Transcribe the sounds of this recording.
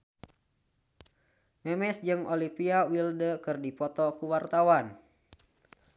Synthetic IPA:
mɛmɛsd͡ʒɨŋolipiawildəkɨrdipɔt̪ɔkuwart̪awan

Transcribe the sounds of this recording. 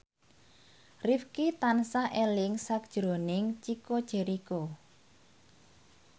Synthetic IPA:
rifkit̪ansaʔelɪŋsak̚ʒ̥ɾo̤nɪŋt͡ʃikod̥ʒ̥e̤ɾiko

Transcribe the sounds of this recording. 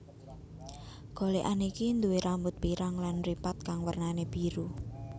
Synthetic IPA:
ɡ̥o̤leʔanikind̪uweɾambʊt̪̚piɾaŋlanripat̪̚kaŋwərnaneb̥i̤ɾu

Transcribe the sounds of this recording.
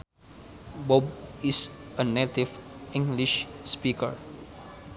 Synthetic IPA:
bɔb̚isənet̪ifĩŋɡliʃspikə̰ɹ

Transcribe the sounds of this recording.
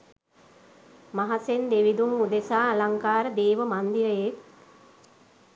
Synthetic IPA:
maɦasend̪eʋid̪uŋud̪esaːlaŋkaːɾəd̪eːʋəmand̪iʋəjek

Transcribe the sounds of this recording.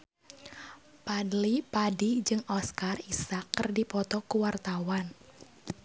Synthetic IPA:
padlipadid͡ʒɨŋɔskarisakːərdipɔt̪ɔkuwart̪awan

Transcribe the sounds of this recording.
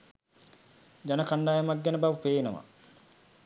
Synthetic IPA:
d͡ʒanəkaɳɖaːjɐmak̚ɡænəbaʋəpeːnəʋa̰

